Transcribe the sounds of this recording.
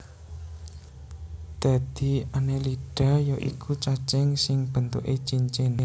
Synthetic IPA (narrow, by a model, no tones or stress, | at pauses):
d̪̥a̤d̪̥i̤aneliɖ̥a̤jɔʔḭkʰut͡ʃat͡ʃɪŋsɪŋb̥ə̤nt̪ṵʔe̥t͡ʃiɲt͡ʃene